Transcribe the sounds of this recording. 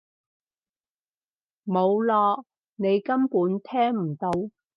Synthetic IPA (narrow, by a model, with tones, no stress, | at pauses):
mo˨˧wlɔː˧k̚ | ne˨˧jkɐ˥mpuː˨˥nt̪ʰɛː˥ŋm̩˨˩t̪o˨˧w